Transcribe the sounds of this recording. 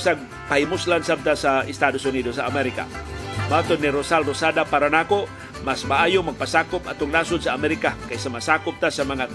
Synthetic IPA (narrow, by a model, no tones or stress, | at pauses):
saɡ̚ | paimuslansab̚t̪asaist̪adusunidosaamɛɾika̰mat̪ɔnːiɾosalrosadapaɾanako | masbaːjumaɡ̚pasakʊpat̪ʊŋlasʊnsaamɛɾikakajsamasakʊp̚t̪asamaŋat̪̚